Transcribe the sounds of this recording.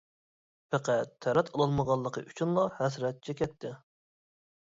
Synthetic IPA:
pʰæqʰæt̪ʰːɛɾɛt̪ʰɑlˠɑlˠməʁɑlˠːəqʰə̰ʔyt͡ʃʰynlˠɑhɛsɾɛt̪̚t͡ʃʰɛkʲɛt̪ʰːɪ

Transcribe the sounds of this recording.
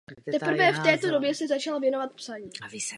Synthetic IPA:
t̪ɛpr̩vɛːft̪ɛːt̪o̞do̞bjɛsɛzat͡ʃalvjɛno̞vat̪̚psaɲiː

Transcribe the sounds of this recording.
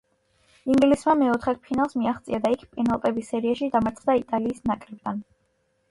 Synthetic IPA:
iŋɡlismamɛɔt̪ʰχɛpʰinalˠsmiaχt̪sʼiad̪aikʰpʼɛnalˠt̪ʼɛbisɛɾiaʃid̪amaɾt̪ʰχd̪ait̪ʼaliːsnakʼɾɛb̚d̪an

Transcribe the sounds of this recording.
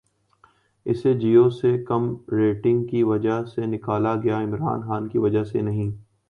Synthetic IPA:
ɪ̰sed͡ʒiːoːsekɐmɾeːʈɪ̃ŋɡkiʋɐd͡ʒaɦsenɪkaːlaɡɐjaɪmɾa̰ːnxaːnkiʋɐd͡ʒasḛnɐɦĩː

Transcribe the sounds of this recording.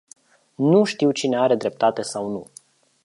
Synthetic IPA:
nuʃt̪iwt͡ʃine̞aɾe̞d̪ɾe̞p̚t̪at̪e̞sawnu

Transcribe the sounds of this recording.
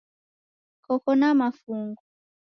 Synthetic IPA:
kɔkɔnamafuŋɡuɔ

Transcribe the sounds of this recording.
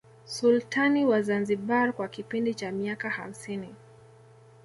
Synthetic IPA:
sultʰaniwazanziɓaɾkwakipindit͡ʃamiakaha̰m̩sini

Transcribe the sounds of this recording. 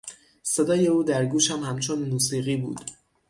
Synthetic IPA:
se̞d̪ɒːje̞uːd̪æɾɡuːʃæmhæmt͡ʃʰonmuːsiːɣiːbṵːd̪̥

